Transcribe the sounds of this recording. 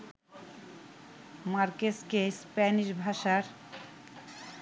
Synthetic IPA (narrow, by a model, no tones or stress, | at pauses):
maɾkeskespɛniʃbʱaʃaɾ